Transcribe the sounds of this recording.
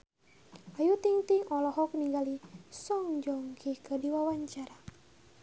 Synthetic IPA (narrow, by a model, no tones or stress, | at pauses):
ajut̪iŋt̪iŋɔlɔɦɔk̚niŋɡalisɔŋd͡ʒɔŋkʰihkədiwawaɲt͡ʃaɾa